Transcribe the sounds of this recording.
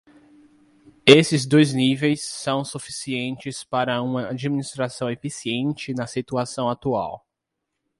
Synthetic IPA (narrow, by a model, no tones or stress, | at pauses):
esɪzd̪ojznivejsːɐ̃w̃sufisiẽnt͡ʃɪspaɾɐũmɐad͡ʒiminist̪ɾasɐ̃w̃efisiẽnt͡ʃɪnɐsit̪uasɐ̃w̃at̪ua̰w